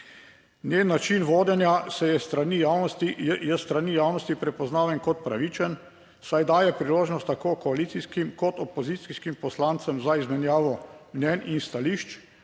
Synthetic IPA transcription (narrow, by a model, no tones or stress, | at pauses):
njenːat͡ʃinʋoːd̪jɛnjasɛjɛst̪ɾanijaːwnɔst̪ijɛst̪ɾanijaːwnɔst̪ipɾɛpɔznaːʋjɛnkɔt̪pɾa̰ʋiːt͡ʃɛn | sajd̪aːjɛpɾiloːʒnɔst̪ːakoːkɔaliːt̪siskimkɔt̪ɔpɔzit̪siskimpɔslant̪sɛmzaizmɛnjaːʋɔmnʲjɛninst̪aliʃt͡ʃ